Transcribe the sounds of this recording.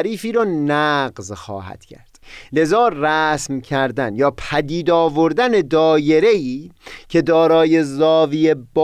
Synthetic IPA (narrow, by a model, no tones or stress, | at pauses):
ɾiːfiːɾɒːnæɢzxɒ̰ːɦæ̰d̪̥cʰæ̰ɾd̪̥le̞zɒːræsmcʲʰæɾd̪ænjɒːpʰæd̪iːd̪ɒːvo̞ɾd̪æne̞d̪ɒːje̞ɾeiːcʰe̞d̪ɒːɾɒːje̞zɒːviːeb